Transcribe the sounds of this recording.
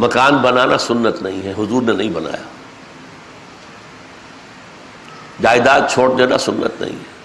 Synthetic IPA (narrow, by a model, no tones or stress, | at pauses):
mɐkaːnbɐnanasʊnːət̪nɐĩɦɛɦʊzuːɾnenɐĩbɐna̰ːjaː | d͡ʑaːɪd̪aːt̪̚t͡ʃʰoːɽɗena̰sʊnːə̰t̪nɐ̰ɦḭ̃ɦɛ